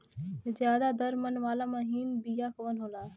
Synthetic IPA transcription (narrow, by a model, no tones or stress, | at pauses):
zjaːd̪aːd̪ɐɾmənʋaːlaːmɐɦiːnbijaːkoːənɦoːlaː